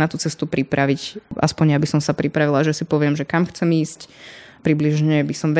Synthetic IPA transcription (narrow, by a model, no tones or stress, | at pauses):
nat̪uːt͡sɛst̪upɾipɾʔaʋicʔa̰spɔɲjabisɔmsapɾipɾaʋilaʒɛsipɔʋɪɛmʒɛkamxt͡sɛmiːsc | pɾibliʒɲɛbisɔmʋɛ